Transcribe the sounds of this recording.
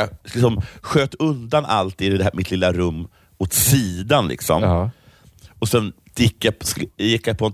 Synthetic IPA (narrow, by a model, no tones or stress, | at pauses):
lɪksɔmɧøːt̪ɵnd̪ana̰lt̪iːd̪ɪd̪ɛhmɪt̪ʰlɪlːaɾɵmː | ot̪siːd̪anlʔɪ̰ksɔ̰m | ɔsɛn | d̪ɪkːjajɪkːjapʰɔ